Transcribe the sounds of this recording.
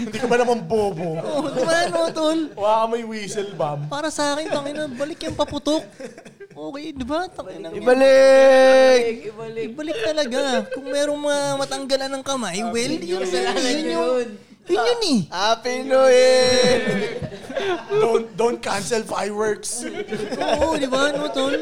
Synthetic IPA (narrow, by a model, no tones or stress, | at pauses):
ɪnd̪ikɐbɐnɐmanboːboʔod̪manoːt̪olwlakɐmɐjwiːsɛlbabpaːɾɐsɐʔaːkɪnt̪ɐŋɐjnɐbɐlɪkjɐŋpɐpʊt̪ok̚ʔoːkɛjd̪ɪbat̪ɐŋajnɐŋɪbɐlɪ | k | bɐlɪk̚t̪ɐlɐɡakʊŋmɛːɾoŋmɐŋamɐt̪ɐŋɡɐlɐnɐŋkɐmajwɛljʊnsajʊnjʊ | jʊnjʊnɛʔapinoɛ | d̪ond̪ont̪̚kansɛlfajwɛɹksʔoʔod̪ɪbanoːt̪ol